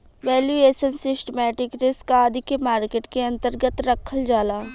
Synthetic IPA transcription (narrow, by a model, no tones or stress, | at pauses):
ʋɛːljueːʃənsɪsʈemɛːʈɪkɾɪskad̪ʱikemaːɾkeːʈkeɐ̃nt̪əɾɡət̪ɾɐkʰəld͡ʒaːlaː